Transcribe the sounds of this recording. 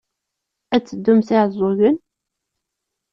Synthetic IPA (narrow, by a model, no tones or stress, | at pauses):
æt͡sːəd̪ːʊmsiʕzˤoʝən